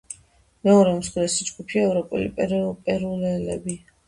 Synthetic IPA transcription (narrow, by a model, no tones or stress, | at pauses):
mɛɔɾɛmsχlɛsid͡ʒɡupʰiaɛvɾɔpʼṵlḭpʼɛɾpʼɛɾulɛlɛ̰bi